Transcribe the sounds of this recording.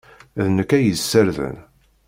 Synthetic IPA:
ðnəkːæjəsːəɾðə̰n

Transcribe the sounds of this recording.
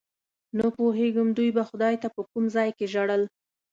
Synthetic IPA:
nəpoɦeɡəmd̪ujbaxʊd̪ɑjt̪apəkumzɑjkeʒaɽəl

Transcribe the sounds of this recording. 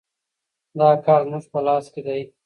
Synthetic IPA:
d̪ɑːkɑːɾnuʐpəlɑːsked̪aj

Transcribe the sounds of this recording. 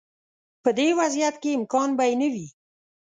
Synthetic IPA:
pəd̪ewazjat̪keɪmkɑnbajnəwi

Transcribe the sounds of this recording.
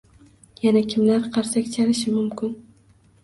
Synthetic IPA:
janakʲʰɪmlaɾqʰɑɾsakʲt͡ʃʰalɪʃɪmʊmkʰʲɪn

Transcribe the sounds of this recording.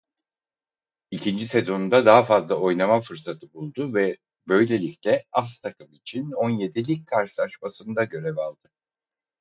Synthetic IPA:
icʰind͡ʒise̞zo̞nd̪ad̪aɦafazlˠao̞jnamafɯɾsat̪ʰɯbulˠd̪uvɛ | bø̞jlʲe̞lʲiclʲɛast̪ʰakʰɯmit͡ʃʰino̞nje̞d̪ilʲic̚kʰaɾʃɯlˠaʃmasɯnd̪aɟø̞ɾevalˠd̪ɯ

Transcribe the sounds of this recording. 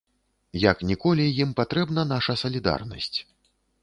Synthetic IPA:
jɐknʲikɔlʲijimpat̪ɾɛbnɐn̪aʂɐsɐlʲid̪a̰rnɐ̰sʲt͡sʲ

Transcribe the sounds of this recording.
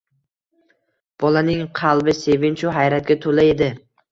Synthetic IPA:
b̥ɒlanɪŋqʰɑlˠbɪse̞vɪnt͡ʃʰʊɦajɾat̪̚ɡʲat̪ʰolae̞d̪ɪ

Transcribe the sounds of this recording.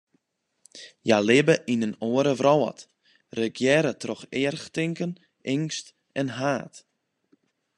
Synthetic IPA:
jalɪbəʔinənoəɾəvrɔwə̰t | rəkjɛɾətrɔxɪərxtɪŋkən | ʔɪŋst | ɛnɦaːt

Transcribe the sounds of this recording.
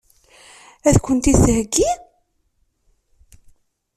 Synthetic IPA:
æðkʷənt̪ishəɡːi

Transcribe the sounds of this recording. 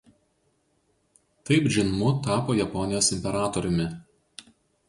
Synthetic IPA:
t̪ɐɪpʒʲɪnmʊt̪ɑːpoːjɛpɔnʲɪjoːsɪmʲpʲɛɾɑːt̪ɔɾʲʊmʲɪ

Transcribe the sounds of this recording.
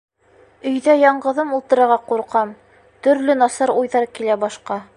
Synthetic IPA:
ɵ̆jðæjɑɴɢɤ̆ðɤmulˠt̪ɤ̆ɾɑ̆ɾʁɑquɾqɑm | t̪ɵ̆ɾlɵnɑsɑɾujðɑɾkilæbɑʃqɑ

